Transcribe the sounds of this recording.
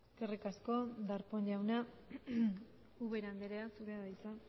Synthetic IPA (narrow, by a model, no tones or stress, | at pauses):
eskerikasko̞d̪aɾpo̞ɲʎawna | uβeɾand̪eɾeasuɾeaðajt͡sa